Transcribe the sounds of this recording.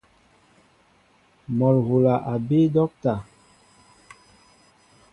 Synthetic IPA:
mɔ˨lɣo˨la˨ʔa˨be˦dɔ˦k̚ta˨

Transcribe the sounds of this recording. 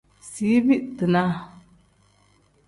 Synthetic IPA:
si˨˦bi˦ʔtɨ˨na˦

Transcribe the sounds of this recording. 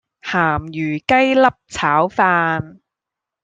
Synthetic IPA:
haː˨˩mjyː˨˩kɐ˥jlɐ˥p̚t͡sʰaː˨˥wfaː˧n

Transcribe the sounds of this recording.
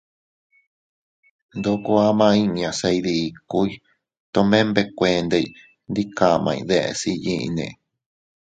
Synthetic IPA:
nd̪o˦ku˦a˦mã˧ĩ˦˧ɲã˨sa˧iðiː˧˨ku˦i˦ | t̪o˧mẽ˦mbe˧kʷẽ˧nd̪e˧i˧ | nd̪i˦ka˧mʔã̰˧ḭ̃˧ðe˧ʔḛ˧si˧jĩ˧ʔḭ̃˧nḛ̃˨

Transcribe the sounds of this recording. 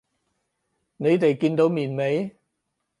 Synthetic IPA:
ne˨˧jt̪e˨jkiː˧nt̪o˨˧wmiː˨˩nme˨˧˥j

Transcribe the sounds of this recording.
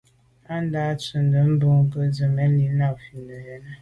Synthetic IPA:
a˦n˦da˦t͡sə˨n˨də˨m̩˦bə˦ŋ̩˦kə˦zə˨me˦li˨˦na˨fi˨nə˨je˨na˦

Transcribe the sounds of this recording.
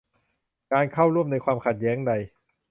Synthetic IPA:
kaː˧nkʰa˥˩wɾu˥˩əmna˧jkʰwaː˧mkʰa˨˩t̪̚jɛː˦˥ŋda˧j

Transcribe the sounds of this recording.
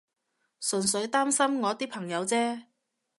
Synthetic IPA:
sɵ˨˩ns̬ɵ˨˧˥ɥt̪aː˥msɐ˥mŋɔː˨˧t̪iː˥pʰɐ˨˩ŋjɐ˨˧wt͡sɛː˥

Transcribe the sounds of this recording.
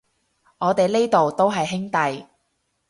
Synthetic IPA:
ŋɔː˨˧t̪e˨jle˥jt̪o˨wt̪o˥wɦɐ˨jɦɪ˥ŋt̪ɐ˨j

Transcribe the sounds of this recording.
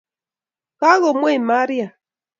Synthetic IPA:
ka˦ɣɔ˨mwe˦˨ma˦ɾija˨

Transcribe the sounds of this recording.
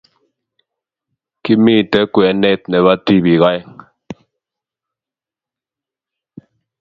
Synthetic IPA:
ki˦mi˦˨tɛ˦kwɛ˨˦nɛ˦˨t̚nɛ˨βa˦ti˦˨bi˨ɣa˦j

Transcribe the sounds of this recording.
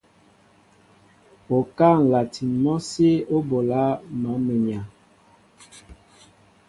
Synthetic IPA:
o˨ka˦˨ŋ̩˨la˨tʰi˨mɔ˦se˦o˦bo˨la˦nɔ˨˦me˨ɲa˨

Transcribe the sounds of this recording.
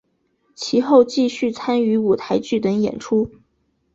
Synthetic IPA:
t͡ɕʰi˧˥xo˥˧ʊt͡ɕi˥˧ɕy˥˩t͡sʰa˥ny˧˥u˨˩t̪ʰa˧˥ɪt͡ɕy˥˩t̪ə˧˥ŋjɛ̰˨˩nʈ͡ʂʰu˥

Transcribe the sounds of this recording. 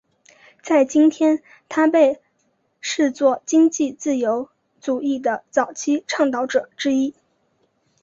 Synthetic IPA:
t͡sa˥˩ɪt͡ɕi˥nt̪ʰjɛ˥n | t̪ʰa˥pe˥˧ɪ | ʂɻ̩˥˧t͡swɔ˥˩t͡ɕi˥ŋt͡ɕi˥˧t͡sɹ̩˥˩jo˧˥ʊ | t͡su˨˩i˥˩d̪ə˩t͡sɑ˨˩ʊt͡ɕʰi˥ʈ͡ʂʰɑ˥˩ŋt̪ɑ˧˥ʊʈ͡ʂɤ˨˩˦ʈ͡ʂɻ̩˥i˥

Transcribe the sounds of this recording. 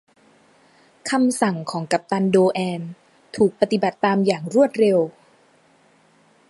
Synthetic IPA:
kʰa˧msa˨˩ŋkʰɔː˩˦ŋka˨˩p̚t̪a˧ndoː˧ʔɛː˧n | t̪ʰuː˨˩k̚pa˧t̪i˨˩ba˨˩t̪ːaː˧mjaː˨˩ŋɾu˥˩ət̪̚ɾe˧w

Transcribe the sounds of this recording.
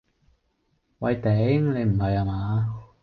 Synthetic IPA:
wɐ˧jt̪ɛ˨˥ŋle˨˧jm̩˨˩ɦɐ˨jhaː˨˧maː˨˧˦

